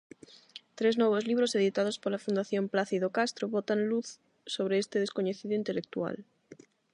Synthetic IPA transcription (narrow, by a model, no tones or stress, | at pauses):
t̪ɾeznoβ̞ozliβ̞ɾoseð̞it̪að̞ospolafund̪aθjomplaθiðokast̪ɾoβot̪anluθ | soβ̞ɾeest̪eðeskoɲeθiðoint̪elek̚t̪ua̰l